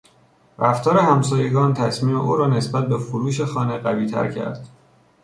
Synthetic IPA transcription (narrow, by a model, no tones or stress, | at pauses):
ɾæft̪ɒːɾehæmsɒːje̞ɡɒːnt̪ʰæsmiːmḛʔuːɾɒːne̞sbæt̪̚befoɾuːʃe̞xɒːneɢæviːt̪ʰæ̰ɾcʰæ̰ɾd̪̥